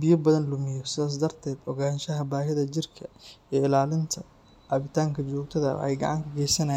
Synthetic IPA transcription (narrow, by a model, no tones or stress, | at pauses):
bɪjɔbɐðɐnlʊmɪjɔsɪðaːs̬d̪ɐrt̪ʰɛːd̪ɔɣaːnʃɐɦɐbaːɦɪðɐd͡ʒɪrkʰɐɛɪlaːlɪnt̪ʰɐ | ʕɑːβɪt̪ʰaːŋkʰɐt͡ʃɔːɡ̚t̪ʰɐðɐ̰ħɛ̰jɡɐ̰ʕɑŋkʰɐɡɛjsɐnɐj